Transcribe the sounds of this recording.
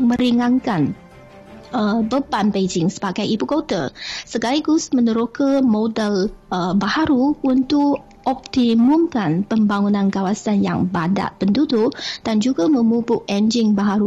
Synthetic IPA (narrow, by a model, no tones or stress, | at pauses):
mə̃ɾiŋãŋkan | əbəbanped͡ʒɪŋsə̥baɡajibukot̪əsəɡaliɡusmənəɾokəmodələbahaɾuunt̪ʊʔ | ɔp̚t̪imumkanpəmbaŋunãnkawasanja̰ŋbada̰ʔpəndudʊʔd̥and͡ʒuɡamə̃mubʊʔɛnd͡ʒɪŋbaɦaɾu